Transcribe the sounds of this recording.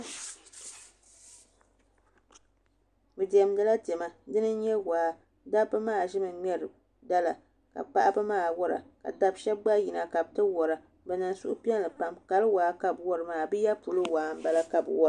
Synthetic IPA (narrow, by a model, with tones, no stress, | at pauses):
bɨ˨di˨ɛ˨m˦da˦la˦tɛ˨ma˨dɨ˦nɨ˦ɲɛ˦waː˨˦ | da˦bɨ˦maː˦˨ʒɪ˦mɨ˨ɲɛ˦ɾɨ˨ | da˦la˨ | ka̰˨k͡pa˦ʔa˦bɨ˦maː˦˨wɔ˦ɾa̰˨ka̰˨ta˦bʃɛ˦b̚ɡ͡ba˦ji˨na˨ka˨b̚tɨ˦wɔ˨ɾa˨ | bɛ˨na˨nsu˦ʔʊ̰˦pɛ˦nlɨ˨pa˦mka˨lɨ˦waː˨˦ka˨bwɔ˦ɾɨ˨maː˨bɨ˦ja˦pu˨lo˦waː˨˦m˦ba˦la˦ka˨bwɔ˦˨